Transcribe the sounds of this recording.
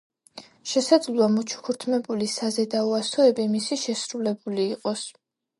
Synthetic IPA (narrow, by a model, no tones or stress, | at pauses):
ʃɛsad̪zlˠuamut͡ʃʰu̥kʰuɾt̪ʰmɛbulisazɛd̪auasɔɛbimisiʃɛsɾulɛbuliːqʼɔs